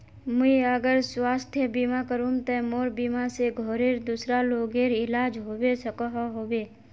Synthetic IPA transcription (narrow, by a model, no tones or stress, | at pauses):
mʊiəɡəɾswaːst̪ʰjəbimakəɾũmt̪ɛmoːɾbiːmaseɡʱoːɾeːɾd̪usɾaloːɡeːɾɪlaːd͡ʒɦoːwesəkaɦɦoːwe